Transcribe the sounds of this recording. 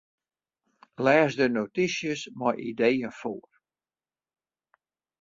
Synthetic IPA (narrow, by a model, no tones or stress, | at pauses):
lɛːsdənotisjəsmɔjʔḭdejənfoːər